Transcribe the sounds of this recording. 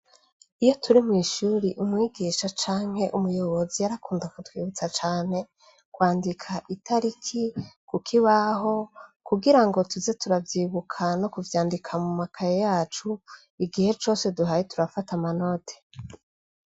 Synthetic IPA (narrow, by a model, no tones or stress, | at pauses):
ijo̞tuɾimwiːʃuɾiʔumŋiːɡiːʃat͡ʃaːŋ̥he̞ʔumujo̞βo̞zijaɾakuːndakutwiːβut͡sat͡ʃaːne̞ | kwaːndikʰaʔitʰaɾikʰikukʰiβaɦo̞kuɡiɾaŋɡo̞tuzetuɾavjiːβukʰano̞kuvjaːndikʰamumakʰajejaːt͡ʃu | iɡihe̞t͡ʃo̞ːse̞duɦajetuɾafatamano̞tʰe̥